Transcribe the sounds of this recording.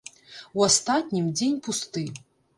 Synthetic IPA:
wast̪atʲnʲimd͡zʲenʲpʰust̪ɨ

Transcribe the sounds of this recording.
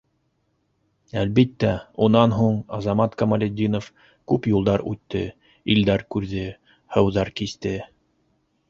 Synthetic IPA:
ælβit̪ːæunɑnɦuɴɑzɑmɑt̪kɐmɐlʲed̪ʲːinof | kʉpjulˠd̪ɑɾʉt̪ːɘ | ild̪æɾkʉɾðɘ | hɤ̆wðɑɾkist̪ɘ

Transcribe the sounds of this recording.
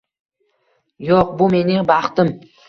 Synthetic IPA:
joqbʊme̞nɪŋbɑχt̪ɪm

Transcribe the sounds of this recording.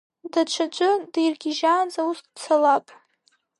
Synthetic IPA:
dat͡ʃʷʰat͡ʃʷʼʊdejrɡʲɪʒaːnzausʼt͡sʰalapʼ

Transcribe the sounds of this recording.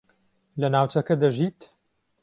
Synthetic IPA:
lɐnaːwt͡ʃɐkɐd̪ɐʒiːt̪

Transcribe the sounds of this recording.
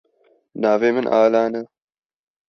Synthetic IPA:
naːveːmɨnʔa̰ːlaːnɐ

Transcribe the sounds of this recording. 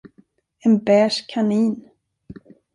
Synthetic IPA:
ɛnbɛːʂkʰaniːn

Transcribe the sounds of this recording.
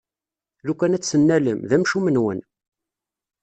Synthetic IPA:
lukænæt͡sːənːæləmðæmʃumənwə̰n

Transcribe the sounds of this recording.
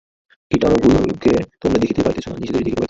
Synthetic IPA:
kiʈaɾobʱujo̰ket̪omɾed̪ekʰit̪epajt̪et͡ɕʰona̰mnḭd͡ʑed̪eɾd̪ekit̪epajt̪

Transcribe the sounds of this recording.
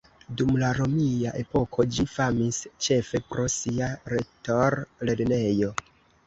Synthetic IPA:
dumlaɾo̞mijaʔe̞po̞kʰo̞d͡ʒifamist͡ʃe̞fe̞pɾʔo̞siaɾe̞toɾle̞ɾne̞jo̞

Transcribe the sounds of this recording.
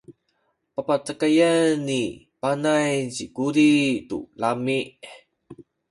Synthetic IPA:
papat͡səkajanːi | panajt͡ɕikuɾitṵlamiʔ

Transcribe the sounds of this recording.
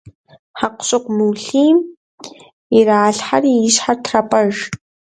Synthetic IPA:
ħaqʷʊ̥ɕʼɪqʷmuwɬiːm | iraːɬħarijɪɕħartʰrɐpʼɐʒ

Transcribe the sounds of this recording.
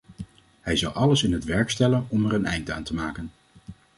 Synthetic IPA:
hɛjzɑwʔɑləsɪnɦətʋɛɹkstɛlənɔmɛɹənɛjnda̰ːntəmaːkən

